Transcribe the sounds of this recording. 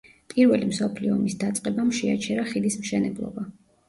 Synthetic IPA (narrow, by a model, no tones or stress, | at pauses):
pʼiɾvɛlimsɔpʰliɔmisd̪at̪sʼqʼɛbamʃɛa̰t͡ʃʰɛɾaχid̪ismʃɛnɛblˠɔ̰ba